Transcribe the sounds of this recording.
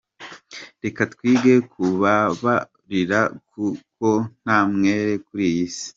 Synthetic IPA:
ɾe̞katwiːɡe̞kʰuβaβa | ɾiɾakuko̞n̥aːmŋe̞ːɾe̞kuɾijisi̥

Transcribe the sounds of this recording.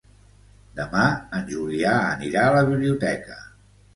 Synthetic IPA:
d̪əmaənʲʒuliaə̰niɾaələβiβliut̪ɛkə

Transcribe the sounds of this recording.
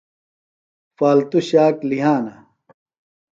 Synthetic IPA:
faːlt̪uɕaːkliɦaːnɐ

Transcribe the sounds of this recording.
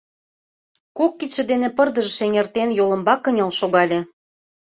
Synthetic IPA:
kokːit͡ɕĕd̪enĕpərd̪ə̆ʒə̆ʃeŋert̪enjolə̆mbɑkə̆nʲɑlʃoɣɑlʲĕ

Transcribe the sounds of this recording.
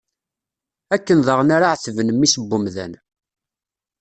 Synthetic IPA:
ækːənðəʁnaɾaʕθvənəmːisəbːʊmðæ̰n

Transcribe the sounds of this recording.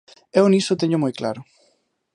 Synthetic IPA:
ewnisʊt̪eɲʊmojkla̰ɾʊ

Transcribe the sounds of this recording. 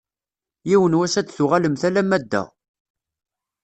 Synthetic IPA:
jiwənwæsæd̪θʊʁæləmθælæmːæd̪ːæ̰

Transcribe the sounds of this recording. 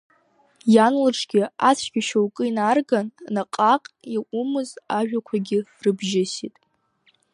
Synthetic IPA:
janlɨʈ͡ʂʰɡʲɪat͡sʰɡʲaʃowkʼɨinarɡannaqʼaqʼiʔʊmɨzaʒᶣakʷʰaɡʲɪrɨbʒɪsitʼ

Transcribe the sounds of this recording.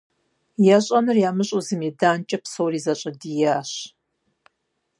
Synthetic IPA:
jɛɕʼɐnɨrjaːmɨɕʼuzɨmidaːnt͡ʃʼɐpsowriːzɐɕʼɐdiːjaːɕ

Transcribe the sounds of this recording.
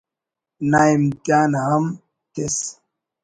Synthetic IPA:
najmtʼanaham | tes

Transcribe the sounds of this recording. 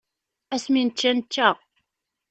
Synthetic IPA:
æsmint͡ʃːænːæʁ

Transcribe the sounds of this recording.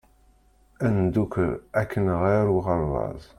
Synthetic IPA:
ænd̪ukɾækʰːənʁiɾwʁəɾˤvɑ̰zˤ

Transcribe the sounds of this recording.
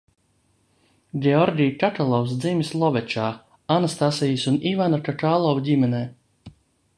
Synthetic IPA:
ɡʲɛɔɾɡʲijkaʈalˠɔws̬d̪zimʲislˠɔvɛt͡ʃaː | anast̪asijisunivanakaʈaːlˠɔvdʲimɛnɛː

